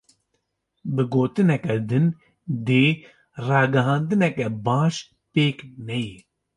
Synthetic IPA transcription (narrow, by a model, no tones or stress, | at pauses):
bɨɡoːt̪ɨnɛkɛd̪ɨn | d̪eː | rɑːɡɐɦɑ̃ːnd̪ɨnɛkɛbaːʃ | peːknɛji